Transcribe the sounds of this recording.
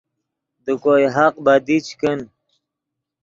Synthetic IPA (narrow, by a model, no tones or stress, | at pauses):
d̪əkojɦaq̚bad̪it͡ɕkən